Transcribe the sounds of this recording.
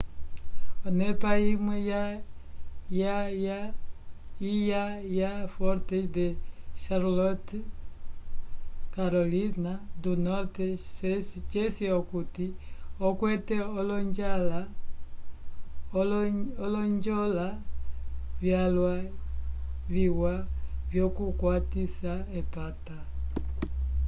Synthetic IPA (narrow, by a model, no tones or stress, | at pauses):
onepaimeja | jaja | ijajafɔɾteʃd̪eʃaɾlot | kaɾolinad̪unoɾtest͡ʃesiokutiokwɛtɛɔlɔɲd͡ʒala | ɔlɔɲd͡ʒola | vjalwa | viwavjokukwat̪isaepat̪a